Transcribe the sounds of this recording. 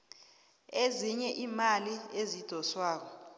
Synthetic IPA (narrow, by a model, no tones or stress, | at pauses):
eziɲɛʔimaliezid̥ʱɔswaːk̬ɔ